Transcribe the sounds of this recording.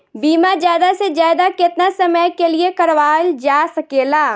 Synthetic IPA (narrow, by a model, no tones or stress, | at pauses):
biːmazjaːd̪asezjaːd̪akɪt̪nasɐməjkeliekɐɾʋaːld͡ʒaːsɐkeːlaː